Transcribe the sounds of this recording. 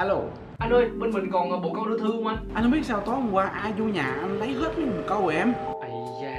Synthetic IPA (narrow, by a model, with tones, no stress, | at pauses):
a˧lo˨˩ | ʔa˧nʔəː˧jɓe˧nmï˨˩ŋ̟kɔ˨˩nʔəː˨˩ɓo̰˧˨kə˧wɗɨ˧t̪ʰɨ˧əmʔa˧nʔa˧n˧ɓi˦˥ət̚saː˧wt̪ɔ˨˦˥ŋ˨kwaː˧ʔaː˧zu˧ɲaː˨˩ʔa˧n˧lə˨˦jɦeː˦˥t̚ɲɨ˨˦m˨˩˨kɔ˧wʔɔ˨˩ʔɛ˧m